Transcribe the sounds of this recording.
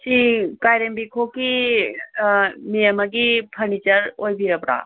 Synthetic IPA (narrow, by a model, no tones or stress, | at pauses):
t͡ʃikajɾembikʰoki | miəmɐk̬ipʰəɾnit͡ʃəɾojbʱiəpɽa̰ː